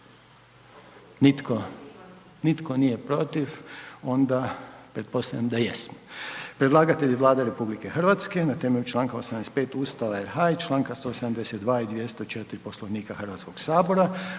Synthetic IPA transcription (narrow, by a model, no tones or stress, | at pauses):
nit̪kʰo | nit̪ko̞nije̞pɾot̪ifo̞nd̪apɾe̞t̪̚po̞st̪a̰ʎʲamd̪ajesmo̥pɾed̪lˠaːɡat̪eʎiʋlˠaːd̪aɾe̞publike̞xr̩ʋat̪ske̞nat̪emeʎut͡ʃlˠaːŋkaosamd̪espe̞ːt̪uːst̪aʋaeɾɦajt͡ʃlˠaːŋkast̪o̞ːsad̪amd̪e̞set̪d̪ʋaːid̪ʋjest̪o̞t͡ʃet̪iɾiposlˠoʋniːkaxrʋat̪sko̞ɡ̥saːbo̞ɾa